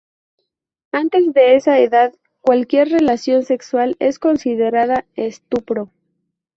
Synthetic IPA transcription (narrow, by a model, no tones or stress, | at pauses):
ant̪e̞zðe̞esaeðað | kwalkje̞ɾre̞lasjo̞nse̞kswale̞sko̞nsiðe̞ɾaðaest̪upɾo̞